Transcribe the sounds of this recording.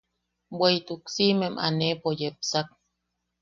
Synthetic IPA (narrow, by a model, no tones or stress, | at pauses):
bwejt̪uksimemʔa̰nepojep̚sak̚